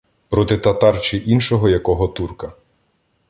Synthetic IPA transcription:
pɾɔt̪ɪt̪ɐt̪ɑrt͡ʃɪʔinʃɔɦɔjɐkɔɦɔt̪urkɐ

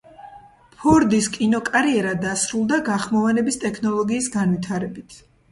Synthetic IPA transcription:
pʰɔɾd̪iskʼinɔkʼaɾiɛɾad̪asɾulˠd̪aɡaχmɔvanɛbist̪ʼɛkʰnɔlˠɔɡiːsɡanvit̪ʰaɾɛbit̪ʰ

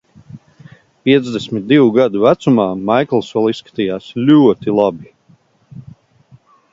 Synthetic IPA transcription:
piɛd̪zd̪ɛsʲmʲit̪̚d̪iwuɡad̪uvæt̪sumaːmajklˠsvɛlˠissːkḁt̪ijaːslʲuɔt̪ilˠabi

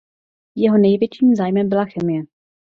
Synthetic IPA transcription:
jɛɦo̞nɛjvjɛt͡ʃiːmzaːjmɛmbɪlaxɛmɪjɛ

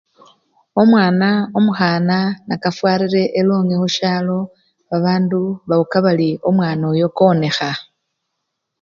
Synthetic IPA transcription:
o̞mwaːnaomuxaːnanakafwaːɾiɾe̞ʔeloːŋɡexuʃaːlo̞ | βaβaːnduβaukaβalio̞mwaːnojo̞kone̞xa

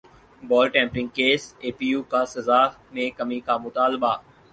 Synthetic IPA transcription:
bɔːlʈɛ̃ːmpɾɪ̃ŋɡ̚keːseːpiːjuːkasɐzaː | mẽkɐmikamʊt̪aːlbaː

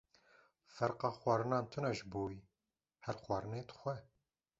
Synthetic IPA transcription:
fɛɾqɑːxwʷɑːɾɨnɑːnt̪ʰɨnɛʒboːji | hɛɾxwɑːɾɨneːt̪xʷɛ

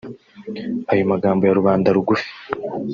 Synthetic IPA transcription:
ajomaɡaːmbo̞jaɾuβaːndaɾuɡufi̥

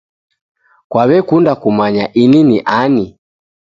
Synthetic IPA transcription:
kwaβɛkundakumaɲaʔininiʔani

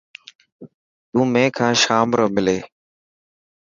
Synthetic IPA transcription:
t̪ũːmẽːkʰãːʃaːmɾoːmɪleː

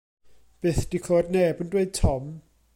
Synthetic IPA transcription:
b̥eːθd̥ikʰlˠoːdnɛbəndweɨd̥̚tʰɔm

